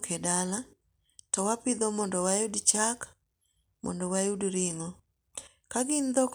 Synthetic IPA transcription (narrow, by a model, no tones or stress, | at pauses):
kʰedala | tɔwapɪd̪ɔmɔndɔwajʊdt͡ʃak | mɔ̰ndɔwajudɾɪŋɔ | kaɡɪnd̪ɔk